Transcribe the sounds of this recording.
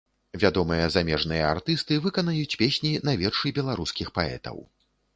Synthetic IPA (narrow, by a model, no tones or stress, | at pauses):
vʲad̪ɔmɨjɐzamʲɛʐnɨjɐ̰a̰rt̪ɨst̪ɨvɨkɐnajut͡sʲpʲesʲnʲinavʲɛrʂɨbʲɛlˠaɾuskʲixpaɛ̰t̪ɐ̰w